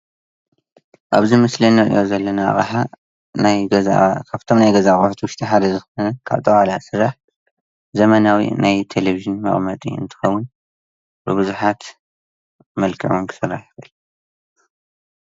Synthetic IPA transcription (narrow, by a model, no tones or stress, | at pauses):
ʔaβzimɨslɐnɐʔɨ̰jo̞zɐlːɐnaa̰χʼħa | najkʰaβt̪ʰomnajɡɐzaxʼoħt̪wʊʃt̪ʰɐħad̪ɐzɨxonɐkʰa̰βt̪ʼɐʔʼalasɨɾaħ | zɐmɐnawḭnajt̪ʰeleviʒɨnmɐ̰χʼmɐt̪ʼḭɨ̰nt̪ʰɨ̥xɐwːʊn | bɨbɨzuħat̪ | mɐlkʰɨ̰ʕonkʰɨ̥sɨrːaħiβɨl